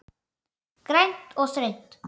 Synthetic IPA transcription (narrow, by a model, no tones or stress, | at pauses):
kɾɛnt̪osɾent̪